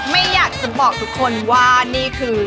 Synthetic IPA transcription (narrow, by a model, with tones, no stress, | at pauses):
ma˥˩jjaː˨˩k̚t͡ɕa˨˩bɔː˨˩k̚t̪ʰu˦˥kʰːo˧nwaː˥˩niː˥˩kʰɯː˧